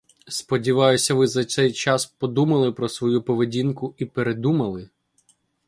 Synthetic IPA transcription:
spɔdʲiʋɑjʊsʲɐʋɪzɐt̪sɛjt͡ʃɑspɔd̪umɐlˠɪpɾɔsʋɔjupɔʋedʲinkʊipeɾe̞d̪umɐlˠɪ

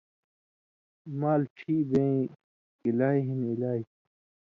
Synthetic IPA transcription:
maːlʈʰiːbẽĩ | kilaːiɦinilaːi

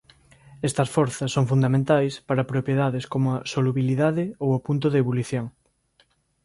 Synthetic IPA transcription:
est̪ɐsfɔɾθɐsːoŋfund̪amẽnt̪ajspaɾapɾopjeðaðeskomoasoluβiliðaðɪowapunt̪oðeːβoluθjoŋ

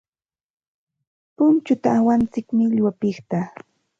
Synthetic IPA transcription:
pʊnt͡ʃʊt̪aːwant͡sɪkmɪʎwapɪχt̪a

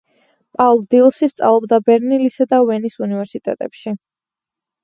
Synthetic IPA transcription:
pʼalˠd̪ilˠʃist̪sʼa̰vlˠɔbd̪abɛɾnilisad̪avɛnisunivɛɾsit̪ʼɛ̰t̪ʼɛpʃi

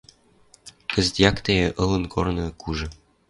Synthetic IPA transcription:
kɘ̆zt̪jɑkt̪ejeʔɤ̆lɤ̆nkʰornɤ̆kuʒɤ̆

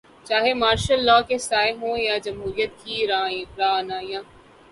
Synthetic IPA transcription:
t͡ʃaːɦemaːɾʃəlːɔːkesaːeɦõːjad͡ʒɐmɦuːɾijət̪̚kiɾaːĩɾaːnaːjãː

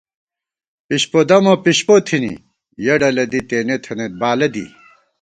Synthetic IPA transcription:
piɕpod̪ɐmopiɕpot̪ʰinḭ | jɐɖɐlɐd̪it̪eːnet̪ʰɐnet̪̚baːlɐd̪ḭ

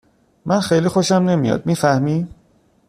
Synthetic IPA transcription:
mʔænxejliːxo̞ʃæmne̞mijɒ̰d̪̚miːfæhmiː

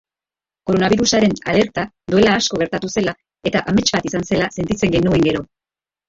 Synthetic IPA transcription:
ko̞ɾo̞naβiɾusaɾe̞nale̞ɾt̪ad̪ue̞laːsko̞ɣɾt̪at̪use̞la | e̞t̪aʔame̞t͡ʃbat̪isanse̞lase̞nt̪it͡se̞ŋɡe̞nue̞ŋɡe̞ɾo̞

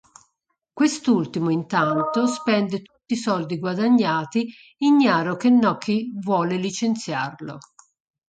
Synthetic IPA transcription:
kwest̪ult̪imoint̪ant̪ospɛnd̪ɪt̪u̥t̪ːisɔld̪iɡwad̪aɲːaːt̪i | iɲːaːɾok̟enːɔkʰːivwɔːlelit͡ʃent̪sjarlo̰

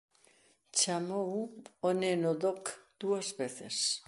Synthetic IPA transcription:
t͡ʃamouonenod̪okd̪̥uazbeθes

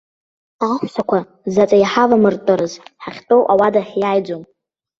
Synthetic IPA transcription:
aχʷʃakʷʰa | zat͡sʼajaħavamɨrtʼɨɾɨzħaχʲtʼowʔawadaħjajd͡zom

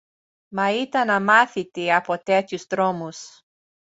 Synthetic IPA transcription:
mɐit̪ɐnɐmaθit̪iɐpot̪et̪çust̪ɾomus

